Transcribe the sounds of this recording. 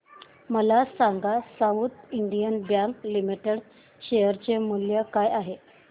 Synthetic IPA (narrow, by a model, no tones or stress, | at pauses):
məlasaŋɡasaut̪iɳɖijənbjaŋklimiʈeɽ | ɕejəɾt͡ɕemuljəkajaɦe